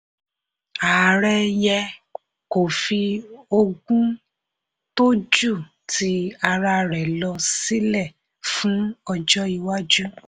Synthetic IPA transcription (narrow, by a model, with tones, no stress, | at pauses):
a˨ɾɛ˦jɛ˧ | ko˨fi˧o˧ɡũ˦ | to˦d͡ʒu˦˨ | ti˧˦a˧ɾa˧ɾɛ˨lɔ˧si˦lɛ˦˨ | fũ˨˦ɔ˧d͡ʒɔ˦i˧wa˦d͡ʒu˦